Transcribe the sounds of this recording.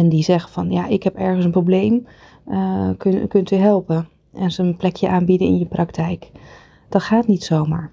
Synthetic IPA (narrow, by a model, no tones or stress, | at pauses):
ɛndizɛχəvɑnja̰ʔɪkɦɛpɛɹχənsənproblejm | kkɵntyɦɛlˠpə | ʔɛnzonplɛkʰjəʔaːnbidəɪ̰njəprɑktʰɛjk | d̥ɑtχaːtnitsowmaːɹ